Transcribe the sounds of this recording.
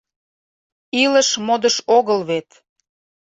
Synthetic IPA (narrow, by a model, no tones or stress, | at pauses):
iləʃmod̪əʃoɣəlβet̪